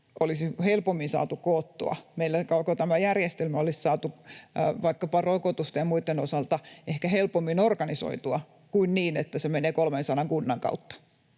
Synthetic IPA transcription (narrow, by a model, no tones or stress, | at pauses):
ʔolisihelpomːinsɑ̰ːt̪ukoːt̪ːo̰ɑ̰meilːækɑkot̪æmæjærjest̪elmæolissɑːt̪uʋɑikːɑpɑrokot̪ust̪ɑjɑmuit̪ːenosɑlt̪ɑehkæhelpomːinorkɑniso̰it̪uɑ | kuinniːnet̪ːæsemeneːkolmensɑnɑŋkunːɑŋkɑ̰ut̪ːɑ̥